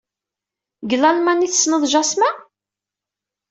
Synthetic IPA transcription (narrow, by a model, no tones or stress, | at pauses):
ɡəlælmæniθsnəðˤʒɑsmæ